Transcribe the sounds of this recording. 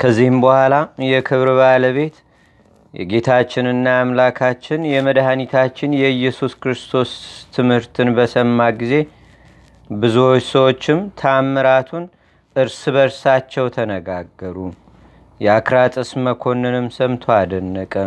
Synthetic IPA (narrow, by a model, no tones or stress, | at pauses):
kʰəzːihɨmbəhʷalajɛkʰɨβɾβaləβe̞t̪ | jʔɛ̰ɡe̞t̪ʰat͡ʃːɪnɨnːaamlakʰat͡ʃːɪnjɛməd̪hanit̪ʰat͡ʃːɪnjɛɨjːɛsuskɾɨst̪ʰo̞st̪ʰɨmhɨɾt̪ʰɨnbəsəmːaɡize̞ | bɨzuwot͡ʃːsəwot͡ʃːɪmt̪ʰəamːɨɾat̪ʰun | ʔɨɾsɨβəɾsat͡ʃːɛwt̪ʰənəɡaɡːəɾu | jɛakɾat̪ʼɨsməkʰo̞nːɨnɨmsəmt̪ʰoad̪ənːəkʼə